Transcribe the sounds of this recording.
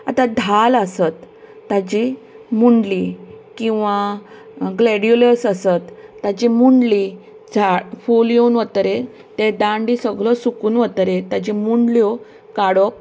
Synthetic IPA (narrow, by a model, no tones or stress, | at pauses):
at̪ãd̪ʱaləsət̪ː | ad͡ʑi | muɳɖlikĩw̃ʋa | ɡlɛɽjuləsəsət̪ːad͡ʑimuɳɖli | d͡zʱafuljenʋət̪ɾe | t̪ed̪ãɳɖisəɡɭɔsukuːnʋət̪ɾet̪jad͡ʑimuɳɖljɔ | kaɽɔk̚